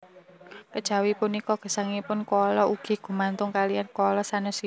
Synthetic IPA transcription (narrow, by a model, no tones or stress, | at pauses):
kəd̥ʒ̥a̤wipunikɔɡ̥ə̤saŋipʊnkɔlɔuɡ̥i̤ɡ̥ṳmant̪ʊŋkalijankɔlɔsanʊsi